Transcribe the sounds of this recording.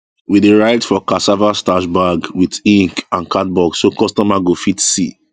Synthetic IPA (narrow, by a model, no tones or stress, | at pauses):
wideɹaɪtfɔkasavastaʃbaɡwiðĩŋkãnkat̚bɔɡsokɔstɔmaɡofitsḭ